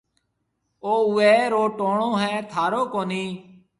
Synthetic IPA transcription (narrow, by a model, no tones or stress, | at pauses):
oːʊʋeːɾoːʈoːɳõːɦɛ̃ːt̪ʰaːɾoːkoːniː